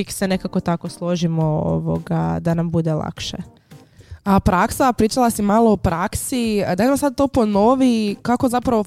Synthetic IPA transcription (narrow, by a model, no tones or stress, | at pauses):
iksene̞kako̞t̪ako̞slˠo̞ʒimoo̰ʋo̰ɡa̰d̪anambud̪elˠa̰kʃḛ | apɾaksapɾiːt͡ʃalˠasimaloopɾaksid̪amamsad̪̚t̪o̞ːpo̞no̞ʋikako̞zapɾaʋo